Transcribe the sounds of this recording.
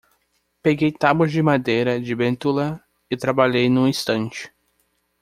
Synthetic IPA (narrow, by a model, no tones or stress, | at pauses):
peɡejt̪abwɐzd͡ʒɪmad̪ejɾɐd͡ʒɪbẽnt̪ulɐ | ɪt̪ɾabaʎejnũĩst̪ɐ̃t͡ʃɪ̥